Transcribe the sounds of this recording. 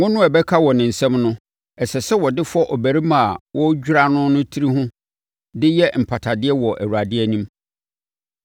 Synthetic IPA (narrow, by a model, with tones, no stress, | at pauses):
ŋʊ̃˦nʊ̃˦ɛ˨bɛ˦kʰa˦wɔ˨nɪ̃˨n̩˨sɛ̃˦mnʊ̃˦ | ɛ˨sɛ˨sɛ˦wɔ˨dɪ˦fʊ˦ɔ˦ʔɔ˨bæ˨ɾi˦mã˨a˨wʔɔ˦d͡ʑᶣu˦ɾa˦nʊ̃˦nʊ̃˦tʰi˦ɾi˦hʊ̃˦ | dɪ˦jɛ˦m̩˨pʰa˨tʰa˨dɪ˦ɛ˦wɔ˨ʔæ̰˨wu˨ɾa˨dɪ˦ɛ˦nĩ˦m